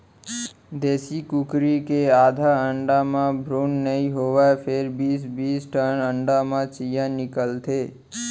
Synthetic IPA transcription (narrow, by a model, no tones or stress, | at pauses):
d̪esikukɾikead̪ʱaəɳɖamãbʱɾunːəiɦoʋapʰeɾbisbiːsʈʰənəɳɖamãt͡ʃijãnɪkəlt̪ʰe